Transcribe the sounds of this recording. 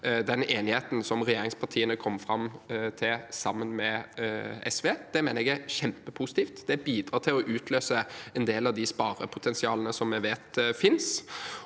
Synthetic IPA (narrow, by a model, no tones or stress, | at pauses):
d̪ɛneːnɪheːt̪n̩sɔmɾɛjeːɾɪŋspʰɑʈ̪ʰiːənəkʰɔmːfɾɑmt̪ʰɪlsɑmːənmɛ | ɛ̰sʋeːd̪̥ɛmeːnəɛɡæɾɕɛmpəpʰuːsɪ̥t̪iːft̪d̪ɛbiːd̪ɾɑːt̪ʰɪlɔʔʉːt̪ʰløːsəɛnd̪eːlɑʋd̪ɪspɑːɾəpʰʊt̪ʰɛnsɪɑːlənəsɔmːɛʋeːt̪fɪns